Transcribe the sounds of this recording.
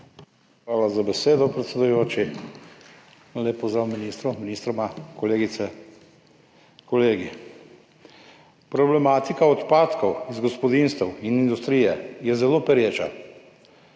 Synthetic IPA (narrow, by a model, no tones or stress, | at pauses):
xʋaːlazabɛseːd̪ɔpɾɛt̪sʲɛd̪ujoːt͡ʃi | naleːpːɔzd̪ɾaːwminist̪ɾɔminist̪ɾɔmakɔleːɡit̪sɛ | kɔleːɡi | pɾɔblɛmaːt̪ikaɔt̪paːt̪kɔwizɡɔspɔd̪inst̪ɛwinind̪ust̪ɾijɛjɛzɛloːpɛɾjeːt͡ʃa̰